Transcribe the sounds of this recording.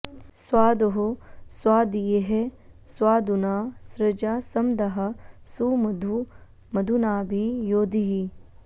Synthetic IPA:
swaːd̪oɦoswaːd̪ijeɦe | swaːd̪unaːsɾɐd͡ʒaːsɐmd̪ɐɦɐsumd̪ʱu | mɐd̪ʱunaːbʱijoːd̪iɦi

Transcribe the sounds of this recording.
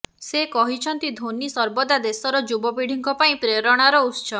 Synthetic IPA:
sekɔɦit͡ʃʰɔnt̪id̪ʱonisɔɾbɔd̪ad̪esɔɾɔd͡ʒubɔpiɽ̤ʱiŋkɔpaĩpɾeɾɔɽ̃aɾɔutt͡ʃʰɔ

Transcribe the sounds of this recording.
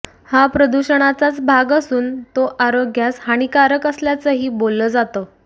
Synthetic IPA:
hapɾəd̪uɕəɽ̃at͡sat͡sbʱaɡasuːnt̪oʔaɾoɡjashaɽ̃ikaɾəkəsljat͡səːɦiːbolːəd͡zat̪ə

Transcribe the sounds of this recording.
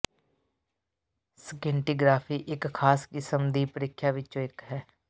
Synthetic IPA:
səkɪ̃ɳʈiːɡɾaːpʰiːʔɪkkʰaːskɪsəmd̪iːpəɾɪkʰːjaːʋɪt͡ʃõːɪkɦɛː

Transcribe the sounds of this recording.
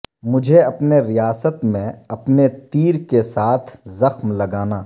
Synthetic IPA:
mʊd͡ʒʱeɐpneɾijaːsət̪mẽɐpnet̪iːɾkesaːt̪ʰzɐxmlɐɡaːnaː

